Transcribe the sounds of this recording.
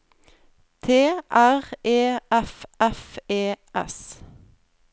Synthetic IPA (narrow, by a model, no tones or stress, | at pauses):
t̪ʰeːʔæʁeːʔɛfɛfeːʔɛ̰s